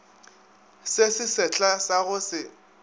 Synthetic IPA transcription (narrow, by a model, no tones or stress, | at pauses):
sesɪsɛt͡ɬʼasaɣʊsɪ